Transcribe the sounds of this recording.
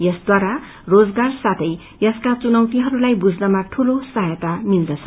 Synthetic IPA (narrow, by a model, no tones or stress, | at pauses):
jʌsd̪waɾa | rod͡zɡarsat̪ʰʌj | jʌskat͡sunʌwt̪iɦʌɾulajbud͡znʌmaʈʰulosʌɦjʌt̪amild̪ʌt͡sʰʌ